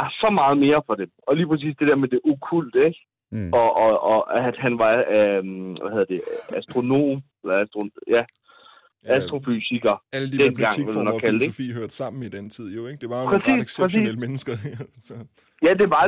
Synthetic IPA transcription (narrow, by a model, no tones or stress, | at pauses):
sɒ̽mɑ̈ːð̞̩ˠme̝ːɐfɒ̽d̥emɒ̽liːpʁɛs̬ḭːsd̥e̝d̥eɐmed̥eʔukʰul̰d̥eɡ̥ | ɒ̽ʔɒæd̥hænʋɑ̈ | ʋæhe̝ðˠɐd̥e̝æsd̥ʁo̝no̝̰ːmelɐæsd̥ʁojæ | æsd̥ʁo̝fysiɡ̥ɐæləd̥id̥en̰ɡ̥ɑ̈ŋelmænɒ̥̽kʰæld̥efḭːhøɐ̰d̥sɑ̈m̰n̩id̥ent͡sʰið̞̰ˠjoeɡ̥d̥e̝ʋɑ̈pʰʁɛsḭːsʰɛḭːləmenəsɡ̥ɐd̥e | jæd̥e̝ʋɑ̈